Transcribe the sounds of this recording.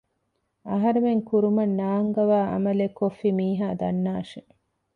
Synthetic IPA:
ɐɦɐɾemeŋkuɾumɐnːaːŋɡɐʋaːʔɐ̰mɐlekofːimiːɦaːd̪ɐnːaːʃe

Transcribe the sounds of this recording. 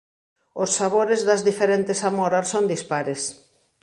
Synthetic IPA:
ʊsːaβoɾezðɐzðifeɾent̪esamoɾasond̪ispaɾes

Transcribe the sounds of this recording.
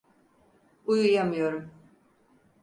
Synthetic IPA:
ujujamɯjo̞ɾum

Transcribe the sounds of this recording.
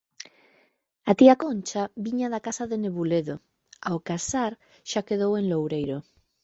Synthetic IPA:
at̪iakont͡ʃaβiɲaðakasaðeneβuleðo | aokasaɾ | ʃakeðoweŋlowɾejɾo

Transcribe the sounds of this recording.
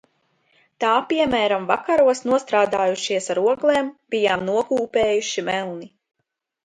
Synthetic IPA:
t̪aːpiɛmæːɾamvakaɾuɔsnuɔst̪ɾaːd̪aːjuʃiɛsaɾuɔɡlˠeːmb̥ijaːmnuɔkuːpeːjuʃimɛlˠni

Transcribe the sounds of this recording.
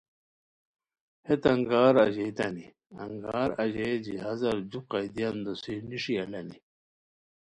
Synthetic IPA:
het̪ɐŋɡaːɾɐʑejt̪ɐni | ɐŋɡaːɾɐʑed͡ʑiɦɐzɐɾd͡ʑuqajd̪ijɐnd̪osiniʂiɐlɐnḭ

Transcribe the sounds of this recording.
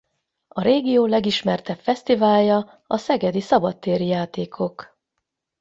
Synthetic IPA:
ɒɾeːɡijoːlɛɡiʃmɛrt̪ɛpfɛst̪ivaːljɒ | ɒsɛɡɛd̪isɒbɒt̪ːeːɾijaːt̪eːkʰo̞k

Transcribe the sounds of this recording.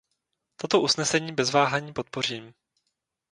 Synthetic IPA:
t̪o̞t̪o̞ʔusnɛsɛɲiːbɛzvaːɦaɲiːpo̞t̪̚po̞riːm

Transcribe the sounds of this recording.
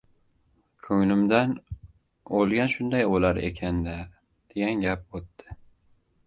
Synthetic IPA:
kʲʰɵŋnɪmd̪an | olˠɡʲanʃʊnd̪ajolaɾḛkʲʰand̪a | d̪̥e̞ɡʲanɡʲap̚ot̪ːɪ

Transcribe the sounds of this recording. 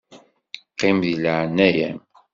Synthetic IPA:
qːimðilaʕnːæjæ̰m

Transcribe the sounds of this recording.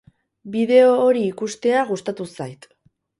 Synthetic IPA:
biðe̞oːɾiːkust̪e̞aɣust̪at̪usajt̪

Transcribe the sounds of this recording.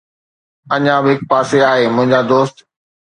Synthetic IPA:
ɐɲãbɪɦɪk̚paːseaːɦeːmʊ̃ɦɪ̃ɲd͡ʑad̪oːst̪

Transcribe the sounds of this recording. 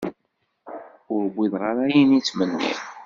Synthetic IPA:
ʊɾəbːiðʁaɾajinit͡sːmənːḭ

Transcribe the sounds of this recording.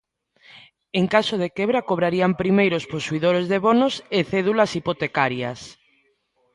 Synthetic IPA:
eŋkasoð̞ekɛβɾakoβ̞ɾaɾiampɾimejɾosposuiðoɾezðeβonoseθɛðulɐsipot̪ekaɾjɐ̰s

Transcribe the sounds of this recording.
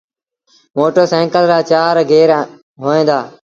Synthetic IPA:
moːʈəːsɛ̃ːŋkəlɾaːt͡ʃaːɾɡʱeːɾ | ɦoːẽːnd̪aː

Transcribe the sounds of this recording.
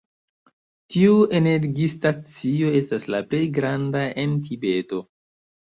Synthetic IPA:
tiue̞ne̞ɾɡistat͡sio̞e̞staslaple̞jɡɾandaentibe̞to̞

